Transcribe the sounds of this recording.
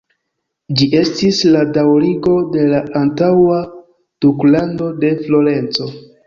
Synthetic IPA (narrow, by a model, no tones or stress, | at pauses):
d͡ʒiʔe̞stisladawɾiɡo̞de̞laːntawa | d̥uklando̞de̞flo̞ɾe̞nt͡so̞